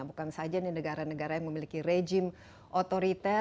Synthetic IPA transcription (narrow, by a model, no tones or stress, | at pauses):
bukansad͡ʒaninəɡaɾanəɡaɾajaŋməmilikiɾed͡ʒim | ʔot̪oɾit̪ɛ